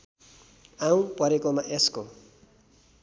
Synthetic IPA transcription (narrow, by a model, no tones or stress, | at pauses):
ãũpʌɾekomaʔesko